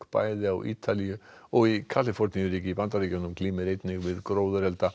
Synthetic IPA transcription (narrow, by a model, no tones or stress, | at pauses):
kpa̰ːjðɪa̰wʔḭːt̪ʰalijʏɔɣikʰat̪lɪfɔɾt̪nijʏɾiːcɪipant̪aɾiːcʏnːʏmkʰliːmɪɾejt̪nɪŋvɪðkɾoːwðʏɾɛlt̪a